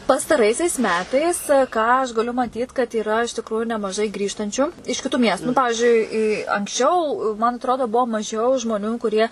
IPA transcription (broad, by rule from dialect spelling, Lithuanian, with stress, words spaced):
pɐstɐˈrɐɪsʲɛɪs ˈmʲæːtɐɪs ˈkɑː ɐʃ ɡɐˈlʲʊ mɐˈtʲiːt kɐt iːˈrɐ ɪʃ tʲɪkˈrʊjʊ nʲɛmɐˈʒɐɪ ˈɡrʲiːʃtɐnʲt͡ʃʲʊ ɪʃ kʲɪˈtuː ˈmʲiɛstʊ nʊ ˈpɑːʋʲɪʒʲʊɪ ɪ ɪ ɐŋksʲˈt͡ʃʲɛʊ mɐn ɐtˈroːdoː ˈbuɔ mɐˈʒʲɛʊ ʒmoːˈnʲuː kʊˈrʲiɛ